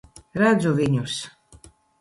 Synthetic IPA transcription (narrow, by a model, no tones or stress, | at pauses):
ɾad̪zuviɲʲus